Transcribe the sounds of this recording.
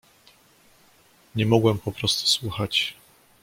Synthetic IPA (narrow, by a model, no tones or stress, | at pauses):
ɲɛmɔɡwɛmpɔpɾɔst̪u̥swuxat͡ɕ